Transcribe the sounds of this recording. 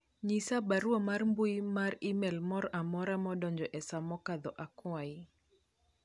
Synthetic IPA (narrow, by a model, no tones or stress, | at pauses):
ɲisabaɾuamarmbuimaɾimɛlmɔɾamɔɾamɔdɔɲd͡ʒɔʔɛsamɔkad̪ɔʔakwai